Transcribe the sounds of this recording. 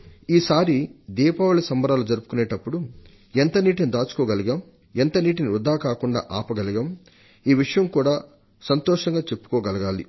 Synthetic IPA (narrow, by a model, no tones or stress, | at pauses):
iːsaːɾid̪iːpaːʋulɐsɐmbɐɾaːlud͡ʒɐɾupu̥kuneːʈɐpːuɽu | ent̪ɐniːʈinid̪aːt͡ʃu̥kɔːɡɐliɡɐm | ent̪ɐniːʈ̬iniɾud̪ʱaːkaːkuɳɖa̰ːʔaːpɐɡɐliɡɐm | iːʋiʂɐjɐmkuːɽaː | sɐnt̪ɔːʂɐŋɡaːt͡ʃe̞pːu̥koːɡɐlɐɡaːli